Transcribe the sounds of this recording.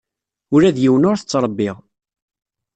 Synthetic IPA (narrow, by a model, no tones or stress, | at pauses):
ʊɾæðjiwənʊɾθət͡sːɾˤəbːɪʁ